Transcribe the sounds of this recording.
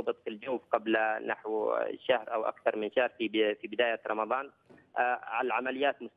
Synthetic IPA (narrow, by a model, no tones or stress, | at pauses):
bɨt̪ˤfild͡ʒuːfqablnaħwʃahɾʔawʔa̰kθɑɾˤmɪnʃahɾfifibɪd̪aːjaɾˤɑmɑðˤɑːn | ʕalaʕamalɪjːaːt̪mʊs